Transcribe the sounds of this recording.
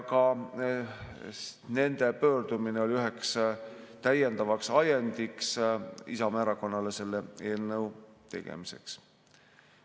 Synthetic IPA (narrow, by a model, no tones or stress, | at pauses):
kɑ | ne̞nd̪̥e̞pøːɾd̪umineo̞lʲiyɦe̞ks | t̪æje̞nd̪̥ɑvɑksɑjend̪̥iksḭsɑmæːɾɑko̞nːɑle̞se̞lːe̞e̞ːlnɤwt̪e̞̰ɡ̥ḛmise̞̰ks